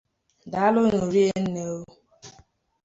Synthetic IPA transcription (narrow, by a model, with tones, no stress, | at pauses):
da˨a˦lʊ˦no˨ɾi˦e˦n̩˦ne˦